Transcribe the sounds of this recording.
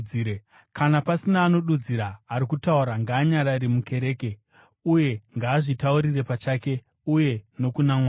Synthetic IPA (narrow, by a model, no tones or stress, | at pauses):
e | kanapasinaːno̞ɗud͡ziɾaːɾikutauɾaŋɡaːɲaɾaɾimuke̞ɾe̞ːke̞ | uje̞ŋɡaːʐitauɾire̞pat͡ʃaːke̞ | uje̞no̞kunaŋwaː